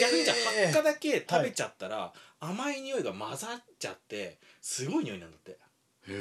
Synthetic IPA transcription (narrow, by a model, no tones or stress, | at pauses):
ɡʲakɯ̟ɲ̟it͡ɕahakːad̪ake̞t̪abe̞t͡ɕat̪ːaɾa̰amaeɲ̟ijo̞iɡamazat͡ɕa̰t̪ːe̞ | sɨɡo̞iɲioinãnd̪at̪ːe̞